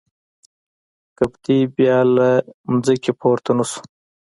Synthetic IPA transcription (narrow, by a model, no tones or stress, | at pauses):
kapt̪ibjɑːlamzikipʰoːɾt̪anusu̥